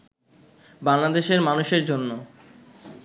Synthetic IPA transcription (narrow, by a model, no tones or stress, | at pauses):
baŋlad̪eʃeɾmanuʃeɾd͡ʑonːo